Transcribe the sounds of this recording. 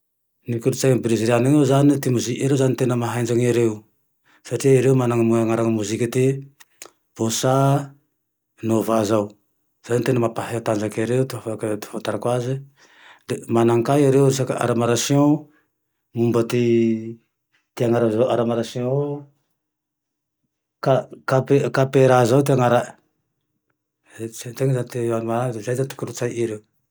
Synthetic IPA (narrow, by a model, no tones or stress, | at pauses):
nikulut͡sajŋbɾiziɾanaŋozanit̪imuzikaɾewzanit̪enəmaɦajnd͡ʒaŋaɾeu | saʈ͡ʂiiɾeumanaŋmuaŋaɾaŋmuzikit̪i | b̥osa | novazaw | z̥anit̪enəmapaɦaat̪and͡ʒakiaɾeut̪uafakt̪fant̪aɾakwazi | d̪emanaŋkajiɾewisaka̰ʔa̰ɾamaɾasjõ | mumbət̪i | t̪iaŋaɾazawʔaɾamaɾasjõ | kakapekapeɾazawt̪iaŋaɾa | sat̪eŋzanit̪eanmaɾad̪ezajzant̪u̥kuɾut͡sajʔiɾeu